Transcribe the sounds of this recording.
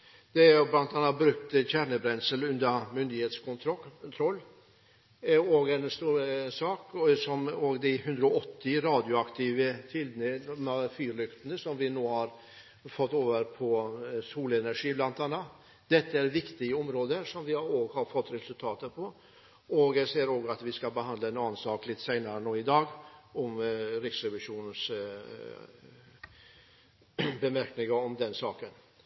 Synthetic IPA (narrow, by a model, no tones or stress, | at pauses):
d̪̥ɛæɾjʊblɑnt̪ɑnɑtbɾʉkt̪çæɾɳəbɾɛnsəlʉnd̪əɾmʏnd̪ɪheːt̪skʰʊnt̪ʰɾɔt̪ʰɾɔlː | ɔɡɛnst̪uːɾəsɑːksɔmoːɡd̪ɛhʉnd̪ɾəɔɔt̪ːɪɾɑːd̪ɪjʊɑkt̪ʰiːʋət̪ɪld̪nəmɑfyːɾɭʏkt̪ənəsɔmʋɪnoːhɑɾ | fɔt̪ːoːʋəɾpʰɔsuːlɛnæʂiːblɑnt̪ɑnɑ | d̪̥ɛt̪ːəæɾɛʋɪkt̪ɪəɔmɾoːd̪əsɔmʋɪɑɾoːɡhɑɾfɔt̪ːɾɛsʉlt̪ʰɑːt̪əpʰɔ | ɔɡæseːɾoːɡɑt̪ʋɪskɑlbəhɑnd̪ləɛnɑːənsɑːklɪt̪ːsæɪnɑɾənoːɪd̪ɑːɡɔmɾɪksɾɛʋɪʂuːnn̩s | bəmæɾknɪŋəɔmd̪ɛnsɑːkən